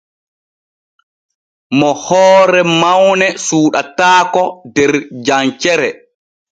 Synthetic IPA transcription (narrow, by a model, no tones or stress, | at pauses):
mɔhɔːɾɛmawnɛsuːɗataːkɔdɛɾd͡ʒant͡ʃɛɾɛ